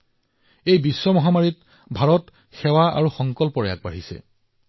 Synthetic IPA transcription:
ejbisːɔmɔɦamaɹit | bʱaɹɔt | xɛwaa̰ɹuxɔŋkɔlpɔɹeja̰k̚baɦisɛ̰

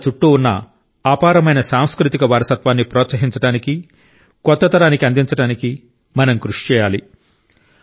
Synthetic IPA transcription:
t͡ʃuʈːuunːɐ̰ | aːpaːɾɐmɐjnɐsaːmskɾut̪ikɐʋaːɾɐsɐt̪ʋaːnːipɾɔːt̪sɐɦiɲt͡ʃɐɽaːniki | kɔt̪ːɐt̪ɐɾaːnikiɐnd̪int͡ʃɐɽaːniki | mɐnɐmkɾuʂi̥t͡ʃɛːjaːli

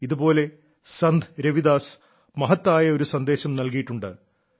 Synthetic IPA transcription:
iðubo̞ːle̞ | sɐnd̪ɾeʋiðaːs | mɐɦɐt̪ːaːjɐo̞ɾusɐnd̪e̞ːɕɐmnɐlkijiʈːuɳɖɨ̰

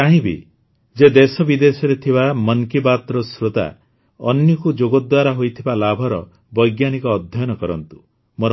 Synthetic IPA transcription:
aɦĩbḭ | d͡ʒed̪esɔbid̪esɔɾet̪ʰibamɔŋkibat̪ɾɔsɾot̪a̰ | ɔnjɔkud͡ʒoɡɔd̪waɾaɦojt̪ʰibalabʱɔɾɔ | bɔjɡjanikɔːd̪ʱjɔjɔnɔkɔɾɔnt̪u̥ | moɾ

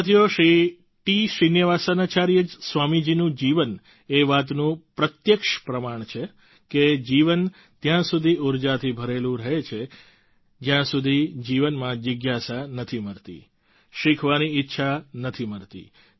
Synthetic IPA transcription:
ət̪ʰijoʃɾi | ʈiʃinjəʋasanat͡ʃaɾjəd͡ʒsʋamid͡ʒinũd͡ʒiʋən | eʋat̪nũpɾət̪jəkʃpɾəmaɳ̃t͡ʃʰe | ked͡ʒiʋən | t̪jãsud̪ʱiʔuɾd͡ʒat̪ʰibʱəɾelũɾəɦet͡ʃʰe | d͡ʒjãsud̪ʱid͡ʒiʋənmãd͡ʒəɡjasanət̪ʰiməɾt̪ḭ | ʃikʰʋaniitːʃʰanət̪ʰiməɾt̪ḭ

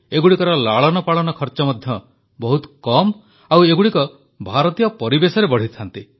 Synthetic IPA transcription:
eɡuɽikɔɾɔlaɭɔnɔpaɭɔnɔkʰɔɾt͡ʃɔmɔd̪ʱjɔ | bɔɦut̪ɔ̥kɔm | aweɡuɽikɔ | bʱaɾɔt̪ijɔpɔɾibesɔɾebɔɽ̤it̪ʰant̪i

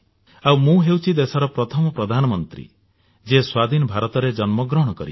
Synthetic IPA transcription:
awmũɦewt͡ʃʰid̪esɔɾɔpɾɔt̪ʰɔmɔpɾɔd̪ʱanɔmɔnt̪ɾḭ | d͡ʒeswad̪ʱinɔbʱaɾɔt̪ɔɾed͡ʒɔnmɔɡɾɔɦɽ̃ɔkɔɾḭ

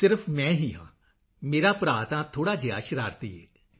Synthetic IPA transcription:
sɪɾpʰmɛ̃ːɦiːɦã̰ː | meːɾaːpɾaːt̪ãːt̪ʰoːɽaːd͡ʒɪja̰ːʃɾaːɾt̪iːɦɛː

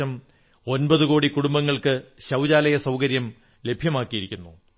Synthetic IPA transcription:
ɐm | o̞nbɐðuko̞ːɽikuɽumbɐŋːɐɭkɨɕɐwd͡ʑaːlɐjɐsɐwkɐɾjɐm | le̞bʱjɐmaːkːijiɾikʲːunːu

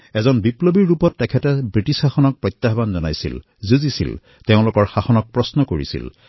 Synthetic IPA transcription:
ɛzɔnbiplobiɹːupɔtːɛkʰɛtɛbɹitisxaxɔnɔk̚pɹɔjt̪ːaɦbanzɔnajsḭl | zuzisḭl | teʊ̃lʊkɔɹxaxɔnɔk̚pɹɔsnɔkoɹḭsḭl

